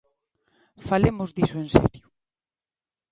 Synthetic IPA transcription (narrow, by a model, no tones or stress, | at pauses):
falemʊzðisʊensɛ̰ɾjʊ